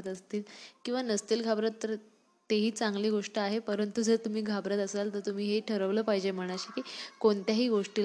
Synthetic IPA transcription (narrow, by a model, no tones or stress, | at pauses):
t̪əst̪iːlkĩw̃ʋanəst̪iːlɡʱabɾət̪ːəɾ | t̪eɦiːt͡saŋɡliːɡoʂʈəaɦepəɾənt̪ud͡zəɾt̪um̤iːɡʱabɾət̪əselt̪əɾt̪um̤iːɦeʈʰəɾəʋləːpaɦjd͡ʑem̤əɽ̃aɕakiːkoɳt̪jaɦiːɡoʂʈil